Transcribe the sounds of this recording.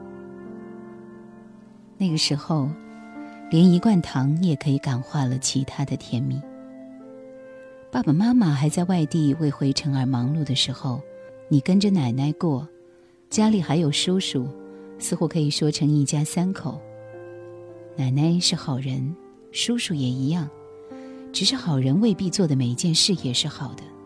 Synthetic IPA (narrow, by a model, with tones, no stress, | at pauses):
na˥˩ɡə˩ʂɻ̩˧˥xo˧ʊ | ljɛ˧˥ni˧˥kwa˥˩nt̪ʰɑ˧˥ŋjɛ˨˩kʰɤ˧˥i˧˥ka˨˩nxwa˥˩lə˨t͡ɕʰi˧˥t̪ʰa˥d̪ə˨t̪ʰjɛ˧˥nmi˥˩˦ | pa˥˩pa˨ma˥ma˨xa˧˥ɪt͡sa˥˧ɪwa˥˧ɪt̪i˥˧we˥˩ɪxwe˧˥ɪʈ͡ʂʰɤ˧˥ŋə˞˧˥mɑ˧˥ŋlu˥˩d̪ə˩ʂɻ̩˧˥xo˥˧ʊni˨˩kə˥nʈ͡ʂə˨na˨˩ɪna˥ɪkwɔ˥˩ | t͡ɕja˥li˨˩xa˧˥ɪjo˨˩ʊʂu˥ʊʂu˨˩sɹ̩˥˧xu˥kʰɤ˧˥i˨˩ʂwɔ˥ʈ͡ʂʰɤ˧˥ŋi˥˩t͡ɕja˥sa˥nkʰo˨˩˦ʊ | na˨˩ɪna˥ɪʂɻ̩˥˩xɑ˨˩ʊɻə˧˥n | ʂu˥ʂu˨˩jɛ˨˩i˧˥jɑ˥˩ŋ | ʈ͡ʂɻ̩˨˩ʂɻ̩˥˩xɑ˨˩ʊɻə˧˥nwe˥˧ɪpi˥˧t͡swɔ˥˩d̪ə˩me˨˩ɪi˧˥t͡ɕjɛ˥˧nʂɻ̩˥˩jɛ˨˩ʂɻ̩˥˩xɑ˨˩ʊd̪̥ə˦